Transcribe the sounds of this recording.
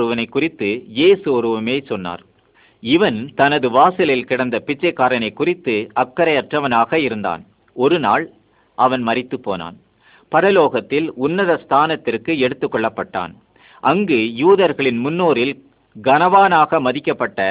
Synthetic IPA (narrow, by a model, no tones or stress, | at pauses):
ɾɯʋɐnɐɪkːʊrɪt̪ːɯjeːsɯɔɾɯʋɐmeːsɔnːa̰ːɾ | ɪʋɐnt̪ɐnɐðɯʋaːsɪlɪlkɪɽɐnd̪ɐpɪt͡ʃːɐɪkːaːɾɐnɐɪkːʊrɪt̪ːɯɐkːɐɾɐjɐʈrɐʋɐnaːɣɐɪɾɯnd̪a̰ːn | ɔɾɯna̰ːɭ | ʔɐʋɐnmɐrɪt̪ːɯpːoːna̰ːn | pɐɾɐloːɣɐt̪ːɪlʊnːɐðɐst̪ʰaːnɐt̪ːɪrkɯɛɽɯt̪ːɯkːɔɭːɐpːɐʈːa̰ːn | ʔɐŋɡɯjuːðɐɾɣɐɭɪnmʊnːoːɾɪl | ɡɐnɐʋaːnaːɣɐmɐðɪkːɐpːɐʈːɐ